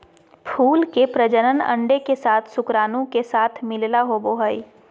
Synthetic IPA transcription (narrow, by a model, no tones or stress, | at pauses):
pʰuːlkepɾəd͡ʒənənə̰̃ɳɖekesaːt̪ʰsʊkɾaːnõkesaːt̪ʰmɪllaɦoboːɦəi